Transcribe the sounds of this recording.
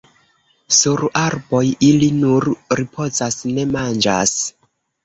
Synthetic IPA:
suɾaɾbo̞jilinuɾɾipʰo̞zasne̞mand͡ʒa̰s

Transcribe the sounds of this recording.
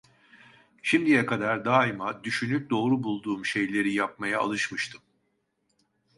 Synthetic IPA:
ʃimd̪ijɛkʰad̪aɾd̪aːimad̪yʃynyp̚d̪o̞ːɾubulˠd̪uːmʃe̞jlʲe̞ɾijap̚maja̰ːlˠɯʃmɯʃt̪ʰɯm

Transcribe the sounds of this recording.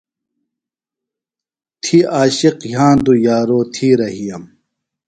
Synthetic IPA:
t̪ʰiaːɕiqjãːnd̪ujaːɾoːt̪ʰiɾɐɦijɐm

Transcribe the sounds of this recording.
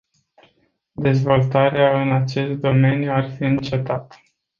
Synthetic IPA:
d̪e̞zvo̞lt̪aɾeaɨnat͡ʃe̞st̪̚d̪o̞me̞njuarfiɨnt͡ʃe̞t̪at̪

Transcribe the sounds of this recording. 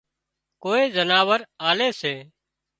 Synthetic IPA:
koːeːzənaːʋəɾaːleːseː

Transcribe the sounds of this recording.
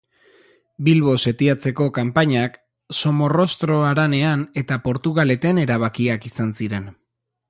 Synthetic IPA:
bilβo̞se̞t̪iat͡se̞ko̞kampaɲak | so̞mo̞ro̞st̪ɾo̞aɾane̞ane̞t̪apo̞ɾt̪uɣale̞t̪e̞ne̞ɾaβ̞akiakisansiɾe̞n

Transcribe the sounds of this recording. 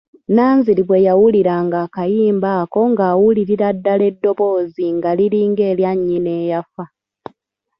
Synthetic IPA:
naːnziliβwe̞jawuliɾaŋɡaːkajiːmbaːko̞ŋɡaːwuliɾiɾadːale̞dːo̞βo̞ːziŋɡaliɾiːŋɡeːljaɲːine̞ːjafa

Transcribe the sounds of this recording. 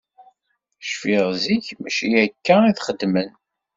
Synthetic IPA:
ʃfiʁziçmæʃijækːæiθχəd̪ːmən

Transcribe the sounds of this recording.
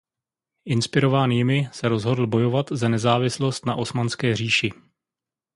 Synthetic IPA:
ʔɪnspɪɾo̞vaːniːmɪsɛɾo̞zɦo̞dl̩bo̞jo̞vat̪zanɛzaːvɪslo̞st̪naʔo̞smanskɛːr̝iːʃɪ

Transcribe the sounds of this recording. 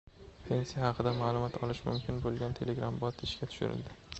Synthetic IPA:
pʰe̞nsijahɑqʰɨd̪amaːlˠʊmɒt̪ʰɒlɪʃmʊ̰mkʲʰɪnbolˠɡʲant̪ʰe̞le̞ɡɾambɒt̪ɪʃkʲat̪ʰʊ̥ʃʊ̰ɾɪ̰ld̪ɪ

